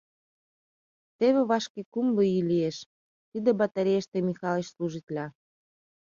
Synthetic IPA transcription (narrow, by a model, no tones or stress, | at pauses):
t̪eβeβɑʃkekumloilieʃ | t̪id̪ebɑt̪ɑɾʲeeʃt̪emixɑleʃsluʒit̪lʲɑ